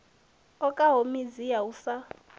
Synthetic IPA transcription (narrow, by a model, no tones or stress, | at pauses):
ɔkʼaɦomizijausa